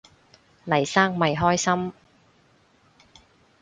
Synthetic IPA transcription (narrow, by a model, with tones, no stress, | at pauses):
lɐ˨˩jsaː˥ŋmɐ˨jɦɔː˥jsɐ˥m